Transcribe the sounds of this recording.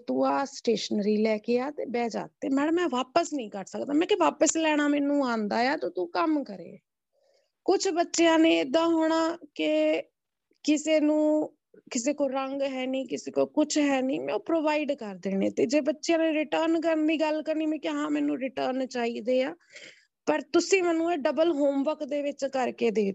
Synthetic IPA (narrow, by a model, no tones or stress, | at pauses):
t̪uːaːsʈeːʃənɾiːlɛːkeːaːt̪ḛːbɛːd͡ʒa̰ːt̪ːeːmɛːɽəmːɛ̃ːʋaːpəsnĩːkəɾsəkd̪aːmɛ̃ːkɪʋaːpəslɛːɽ̃aːmɛːnũːaːnd̪aːjaːt̪oːt̪uːkəmkəɾḛː | kʊt͡ʃʰbətːʃejãːneːɪd̪ãːɦoːɽ̃aːkɪ | kɪseːnũː | kɪs̬eːkoːɾəŋɡɦɛːnĩːkɪseːkoːkʊt͡ʃʰɦɛːniːmɛ̃ːoːpɾoːʋaːiɖkəɾd̪eːnḛːt̪eːd͡ʒeːbətːʃjãːneːɾɪʈəːɾnk̬əɾnd̪iːɡəlkəɾniːmɛ̃ːkːɦãːmɛːnũːɾɪʈəːɾnt͡ʃaːiːd̪eːaː | pəɾt̪ʊsĩːmɛːnũːeːɖəbəlɦoːmʋəkd̪eːʋɪt͡ʃkəɾkeːd̪eː